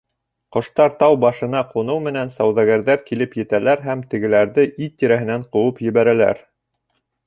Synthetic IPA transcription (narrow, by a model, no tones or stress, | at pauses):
qŏʃt̪ɑɾt̪ɑwbɑʃɤ̆nɑqŭnɤwmɘ̆nænsɑwðɑɡæɾðæɾkilɘpjɘ̆t̪ælæɾɦæmt̪ɘ̆ɡɘ̆læɾðɘʔit̪ːiɾæɦɘ̆næɴqŭwɤpjɘ̆βæɾælæ̰ɾ